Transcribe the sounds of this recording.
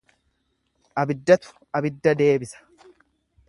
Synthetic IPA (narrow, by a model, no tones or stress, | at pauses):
ʔɐbɪd̪ːɐt̪ʊ̥ | ɐbɪd̪ːɐd̪e̞ːbɪsɐ̥